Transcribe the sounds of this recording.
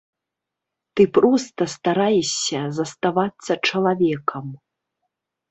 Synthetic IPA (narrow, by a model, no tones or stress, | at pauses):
t̪ɨpɾɔst̪ɐst̪aɾajɛɕʲɐzɐst̪avat̪sːɐt͡ʂɐlˠavʲɛkɐm